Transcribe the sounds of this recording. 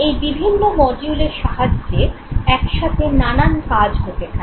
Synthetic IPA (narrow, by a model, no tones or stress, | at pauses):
ejbibʱinːomɔd͡ʑuleɾʃaɦad͡ʑːeɛkʃat̪ʰenanankad͡ʑɦot̪et̪ʰa